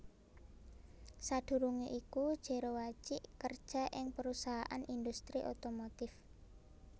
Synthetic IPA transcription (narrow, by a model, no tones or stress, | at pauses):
sad̪̥ṳɾuŋeʔikud̥ʒ̥e̤ɾowat͡ʃɪʔkərd̥ʒ̥a̤ʔɪŋpəɾusaɦaʔanind̪ust̪ɾiʔot̪omot̪ɪf